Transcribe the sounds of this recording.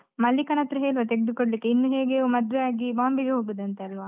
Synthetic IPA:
mɐlːikɐnɐt̪ɾɐɦeːlʋɐt̪eɡed̪ukoɽɐlikːeinːuɦe̞ːɡemɐd̪ʋeaːɡibaːmbiɡeɦoːɡod̪ɐnt̪eɐlʋa

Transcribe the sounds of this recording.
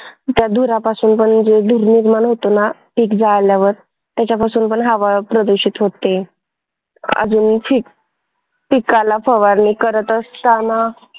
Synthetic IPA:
t̪jad̪ʱuɾapasuːnpəɳd͡zed̪ʱuɾniɾmaɳɦot̪onaʈʰiːkd͡zaljaʋəɾ | t̪jat͡ɕapasuːnpəɳɦaʋapɾəd̪uɕiːt̪ɦot̪e | ə̰d͡zuːnfʰiːk̚ | pikalafəʋaɾnikəɾət̪əst̪ana

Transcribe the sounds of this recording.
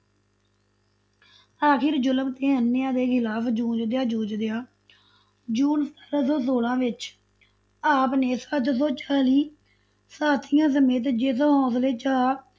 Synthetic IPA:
aːkɪɾd͡ʒʊləmt̪eːɦənːɪjãːd̪eːkʰɪlaːpd͡ʒũːd͡ʒd̪eaːd͡ʒũːd͡ʒd̪ejaː | d͡ʒuːnst̪əɾasõːs̬oːlãːʋɪt͡ʃ | aːpneːsət̪sõːt͡ʃaːliː | saːt̪ʰijãːs̬əmeːt̪̬d͡ʒɪs̬ɦɔ̃ːsleːt͡ʃaː

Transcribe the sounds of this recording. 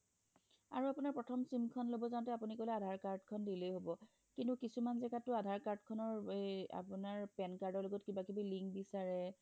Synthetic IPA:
a̰ɹuapunaɹpɹɔtʰɔmsimkʰɔnlobɔzãntɛapunikolɛadʱaɹkaɹdkʰɔndilojɦobɔ | kintukisumanzɛɡatʊadʱaɹkaɹdkʰɔnɔɹa̰punaɹpɛnkaɹdɔɹloɡɔtkibakibiliŋkbisaɹɛ

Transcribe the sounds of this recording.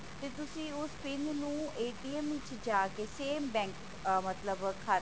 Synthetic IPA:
t̪eːt̪ʊsĩːʊspɪnnũːeːʈiːɛmʋɪt͡ʃd͡ʒaːkeːseːmbɛ̃ːŋk | mət̪ləbkʰːa

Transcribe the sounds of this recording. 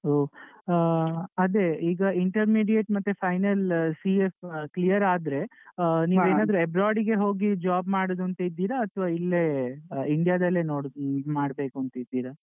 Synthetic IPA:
o | ɐd̪e̞iːɡɐiɳʈɐɾmiːɖijeʈmɐt̪ːepʰɐjnɐlsiefklijɐɾaːd̪ɾe̞niːʋeːnaːd̪ɐɾuebɾaːɾɖiɡe̞ɦo̞ːɡid͡ʒaːbmaːɽod̪uɐnt̪ɐid̪ːiːɾɐːt̪ʰʋaːilːeiɳɖijad̪ɐlːenoːmaːɽbe̞ːkuɐnt̪ɐid̪ːiːɾɐ

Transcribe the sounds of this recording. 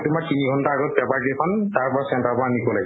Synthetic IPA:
tʊmaɹtiniɡʱɔntaaɡɔt̚bɛpaɹkikʰɔntaɹpɔasɛntapɔanikɔlaɡɛ

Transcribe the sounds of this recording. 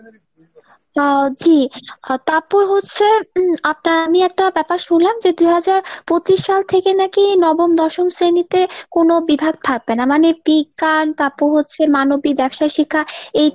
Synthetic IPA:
d͡ʑit̪aɾpuɾɦotːɕʰeap̚naɾamiɛk̚ʈabɛpaɾʃunlamd͡ʑed̪uɦad͡ʑaɾpot͡ɕiʃʃalt̪ʰekenakinɔbomd̪ɔʃoŋsɾenit̪ekonobibʱaɡ̚t̪ʰak̚benamanepikant̪apuɾɦotːɕʰemanobibɛbʃaʃikʰːaej

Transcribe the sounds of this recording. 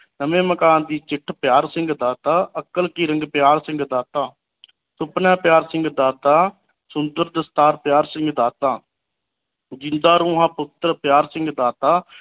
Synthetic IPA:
nəmẽːməkaːnd̪iːt͡ʃɪʈʰpjaːɾsɪ̃ŋɡd̪aːt̪aːəkəlkiːɾə̃ŋɡpɪjaːɾsɪ̃ŋɡd̪aːt̪aː | sʊpnãːpjaːɾsɪ̃ŋɡd̪aːt̪aː | sʊnd̪əɾd̪əst̪aːɾpjaːɾsɪ̃ŋɡd̪aːt̪aː | d͡ʒɪnd̪aːɾũːɦãːpʊt̪ɾpjaːɾsɪ̃ŋɡd̪aːt̪aː

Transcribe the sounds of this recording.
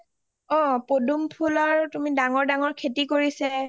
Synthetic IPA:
ɔpodumpʰulɔɹtumidaŋɔɹdaŋɔɹkʰetikoɹisɛ

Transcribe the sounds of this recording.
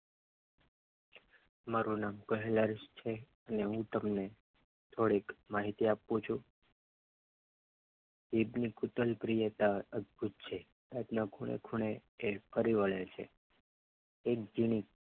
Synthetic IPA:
maɾunamkəɦeləɾʃt͡ʃʰe | əneɦũt̪əmne | t̪ʰoɽekmaɦit̪iapːũt͡ʃʰu | ʋibnikut̪əlpɾijət̪aəd̪̚bʱut̪̚t͡ʃʰe | ad̪nakʰuɽ̃ḛkʰuɳ̃eːpʰəɾiʋəɭet͡ʃʰḛ | ek̚d͡ʒiɽ̃ik

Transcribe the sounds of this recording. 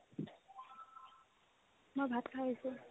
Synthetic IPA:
mojbʱat̪kʰaɦisʊ

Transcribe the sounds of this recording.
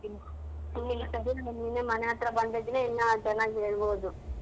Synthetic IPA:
inːiŋːɐsɐɾiɐnːineːmɐnɐjaːt̪ɾɐbɐnd̪ed̪ineɛnːɐt͡ʃɛnːaːɡieːɭuboːd̪u

